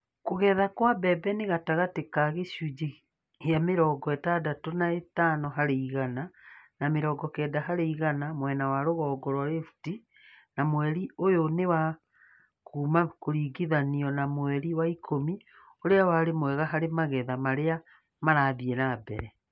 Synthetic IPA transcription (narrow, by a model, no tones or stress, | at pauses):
koɣɛðakwabɛbɛneɣataɣatekaɣeɕud͡ʒi | eameɾɔːɡɔɛtadatonaetanɔɦaɾeiɣananameɾɔːɡɔkɛːdaɦaɾeiɣanamwɛnawaɾoɣɔːɡɔɾwaɾefu̥ti | namwɛɾiojonewa | kuːmakoɾiːɡiðaniɔnamwɛɾiwaikʰomi | oɾeawaɾemwɛɣaɦaɾemaɣɛðamaɾea | maɾaðiɛnabɛ̰ɾɛ